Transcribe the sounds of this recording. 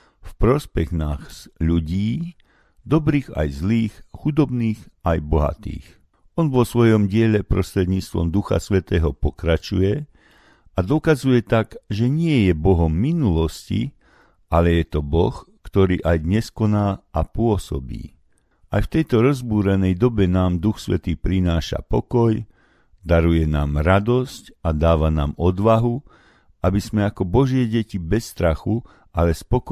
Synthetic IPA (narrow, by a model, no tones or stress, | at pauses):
fpɾɔspɛɣnaxʎuɟiː | d̪ɔbɾiːɣa̰jzliːxxud̪ɔbniːxajbɔɦa̰t̪ḭːx | ɔnʋɔsʋɔjɔmɟɪɛʎɛpɾɔst̪ɾɛd̪ɲiːt͡st̪ʋɔ̰md̪uxa̰sʋɛt̪ɛːɦɔpɔkɾat͡ʃujɛ | ad̪ɔkazujɛt̪aɡʒɛɲɪɛjɛbɔɦɔmːinulɔscḭ | alɛjɛt̪ɔbɔ̰xkt̪ɔɾiːʔajd̪ɲɛskɔnaːapʊɔsɔ̰bḭː | a̰jft̪ɛjt̪ɔɾɔzbuːɾɛnɛjd̪ɔbɛnaːmd̪uxsʋɛ̰t̪iːpɾinaːʃa̰pɔkɔj | d̪aɾujɛnaːmɾad̪ɔscad̪aːʋanaːmɔd̪ʋaɦu | ʔabizmɛakɔbɔʒɪɛɟɛcibɛsːt̪ɾaxu | alɛspɔk